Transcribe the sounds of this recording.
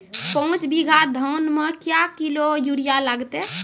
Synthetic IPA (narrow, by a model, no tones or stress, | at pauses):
pɔũt͡ʃbiɡʱad̪ʱɔwnmekjakilojuɽijalaɡt̪e